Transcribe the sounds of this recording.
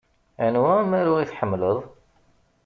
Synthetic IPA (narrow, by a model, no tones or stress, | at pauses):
ænwæmæɾuiθħəmːləðˤ